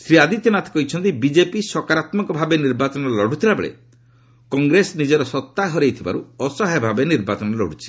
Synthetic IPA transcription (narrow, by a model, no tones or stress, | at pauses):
sɾiad̪it̪jɔnat̪ʰe̥kɔɦjt͡ʃʰɔnt̪ibid͡ʒepisɔkaɾat̪mɔkɔbʱabeniɾbat͡ʃɔnɔlɔɽ̤ʱut̪ʰiɾabḛɭḛ | kɔŋɡɾesnid͡ʒɔɾɔsɔt̪ːaɦɔɾejt̪ʰiba̰ɾṵɔsɔɦabʱabeniɾbat͡ʃɔnɔlɔ̰ɽ̤ut͡ʃʰi̥